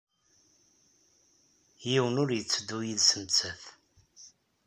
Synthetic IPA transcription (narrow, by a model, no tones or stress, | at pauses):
jiwənʊɾjət͡sːəd̪ːujiðsəmt͡sæθ